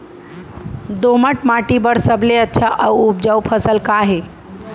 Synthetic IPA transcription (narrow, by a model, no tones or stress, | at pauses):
d̪oməʈmaʈibəɽsəbleətːʃʰaʔawup̚d͡ʒaupʰəsəlkaɦe